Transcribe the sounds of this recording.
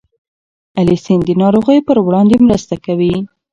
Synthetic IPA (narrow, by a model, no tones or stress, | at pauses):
alisind̪ənɑɾoɣəjpəɾwɽɑnd̪emɾəst̪akawi